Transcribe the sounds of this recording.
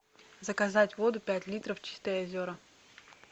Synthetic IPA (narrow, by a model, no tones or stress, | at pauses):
zɐkɐzatʲʋɔd̪ʊpʲætʲlʲit̪ɾɐft͡ɕi̥st̪ɐjɐzʲoɾɐ